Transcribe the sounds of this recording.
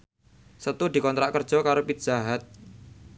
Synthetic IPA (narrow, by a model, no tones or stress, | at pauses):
sət̪ud̪̥i̤kɔnt̪ɾaʔkərd̥ʒ̥ɔ̤kaɾopit̪̚d͡ʒ̥aɦat̪̚